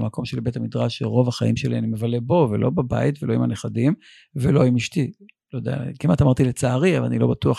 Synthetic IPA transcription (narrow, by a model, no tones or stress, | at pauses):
mako̞mʃelbet̪amidʁaʃeʁo̞vaχa̰imʃelianime̞vale̞bo̞vḛlʔo̞baba̰it̪velo̞imaneχadim | velo̞imiʃti | lojd̪ḛa̰kimat̪amaʁt̪ilet͡saːʁiavala̰nilo̞batuaχ